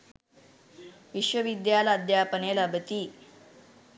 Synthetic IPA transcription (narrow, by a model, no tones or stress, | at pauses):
ʋiɕʋəʋid̪jalad̪japənelabət̪iː